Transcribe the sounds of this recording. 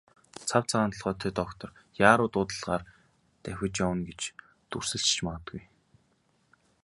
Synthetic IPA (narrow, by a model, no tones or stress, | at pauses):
t͡sʰawt͡sʰaʁaːnt̪ə̆ɮʁœːt̪ʰet̪ɔkt̪ʰɞ̆rjaːɾʊːt̪ʊːt̪ə̆ɮʁaːr | t̪æxʲɪ̆t͡ɕjawə̆nɡet͡ɕ | t̪ur̥sɘ̆ɬt͡ɕt͡ɕʰmaʁə̆t̪ɡuj